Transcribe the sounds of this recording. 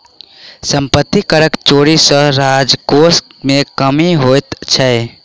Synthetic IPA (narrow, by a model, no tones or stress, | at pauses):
səmpət̪ːikəɾəkt͡ʃoɽisə̃ɾad͡ʒkosmekəmiɦojt̪t͡ʃʰəɪ